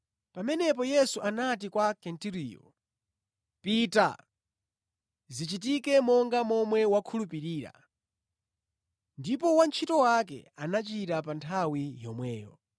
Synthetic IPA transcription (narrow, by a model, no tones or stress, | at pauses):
pamɛnɛp̬ɔjɛsuʔanat̬ikwakɛntiɾijɔ̰ | pita̰ | zit͡ʃit̬ikɛmɔŋɡamɔmwɛwakʰulupiɾiːɾa̰ | ndipɔwant͡ʃʰitɔwak̬ɛ̰anat͡ʃiɾapantʰawijɔmwɛːjɔ